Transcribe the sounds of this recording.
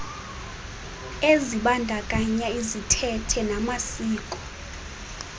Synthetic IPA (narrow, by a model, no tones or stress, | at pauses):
eziɓandʱakʼaɲaizitʰɛtʰɛnamasiːkʼɔ̥